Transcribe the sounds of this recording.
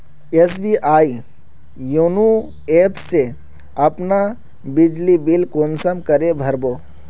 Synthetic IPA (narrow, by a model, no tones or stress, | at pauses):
es̬biʔaːi | junu | eːpse | ɐpna | bɪd͡ʒlibilkoːnsəmkəɾebʱɐɾboː